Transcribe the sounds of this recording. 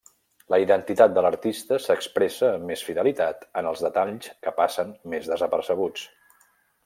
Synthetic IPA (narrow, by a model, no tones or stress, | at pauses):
ləiðənt̪it̪at̪̚d̪ələɾt̪ist̪əsəkspɾesəːmːesfiðəlit̪at̪ənəlˠzðət̪aʎskəpasənmezðəzəpəɾsəɣ̞ut͡s